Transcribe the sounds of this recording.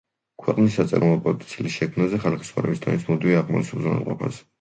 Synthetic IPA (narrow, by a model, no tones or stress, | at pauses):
kʰwɛqʼnisːat̪sʼɛ̰ɾʔɔmɔpʼɔt̪ʼt̪sʰilisʃɛkʰmnazɛχalakʰi̥sχa̰ɾɛbist̪ʼʰɔ̰nismɔd̪iviaʁmɔ̰tsʰulzɔna̰lqʼɔpʰas